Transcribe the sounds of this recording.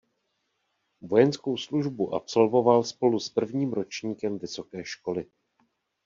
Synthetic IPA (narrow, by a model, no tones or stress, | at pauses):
vo̞jɛnsko̞wsluʒbuʔa̰pso̞lvo̞valspo̞luspr̩vɲiːmɾo̞t͡ʃɲiːkɛmvɪso̞kɛːʃko̞lɪ